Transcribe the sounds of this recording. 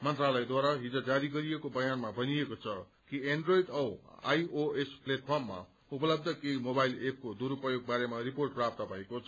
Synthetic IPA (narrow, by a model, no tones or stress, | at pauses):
mʌnt̪ralʌjd̪waɾaɦid͡zod͡zaɾiɡʌɾijekobʌjanmabʱʌniekot͡sʰʌ | kieɳɖroidʌwa̰joespleʈ̚pʰʌrmːa̰ | upʌlʌb̚d̪ʱʌkejmobajlep̚ʰkod̪uɾupʌjoɡ̚baɾemariporʈ̚prap̚t̪ʌpãĩkot͡sʰ